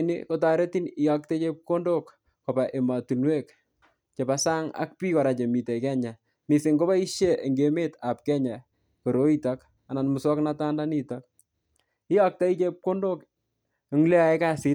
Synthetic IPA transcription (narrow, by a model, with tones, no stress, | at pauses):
nḭko˦ta˨ɾe˦ti˦ni˦jɔ˦k̚te˦t͡ʃe˦p̚ko˦ndo˦k | kɔ˨pa˨ʔe˨ma˨tu˨nwe˦k | t͡ʃe˨pa˨sa˦ŋa̰˦k̚pi˦kɔ˨ɾa˨t͡ʃe˨mi˨te˨kɛ˦ɲa˨ | mi˨se˨ŋɡo˦ba˦i˦ʃje˦e˨ŋɡe˨me˦ta˨p̚kɛ˦ɲa˨ | ko˨ɾo˨˦i˦ta˦k | a˨na˨nmu˨swɔ˦kna˦ta˦nda˦ni˨ta˦k̚ | i˦jɔ˦k̚ta˦i˦t͡ʃe˦p̚ko˦ndo˦k | e˨ŋle˦a˨e˦ka˦si˦